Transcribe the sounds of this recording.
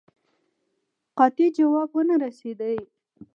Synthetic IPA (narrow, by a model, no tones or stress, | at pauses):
qɑt̪id͡ʒawɑbwənaɾased̪əj